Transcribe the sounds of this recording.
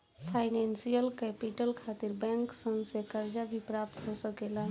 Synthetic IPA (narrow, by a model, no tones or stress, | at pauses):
pʰaɪnensijəlkɛpiʈəlkʰat̪iɾbɛ̃ŋksəmsekəɾd͡ʒabʱipɾap̚t̪ɦosəkelən